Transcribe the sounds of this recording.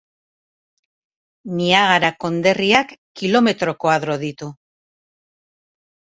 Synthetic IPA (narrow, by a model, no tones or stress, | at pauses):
niaɣaɾako̞nd̪e̞riakːilo̞me̞t̪ɾo̞ko̞aðɾo̞ðit̪u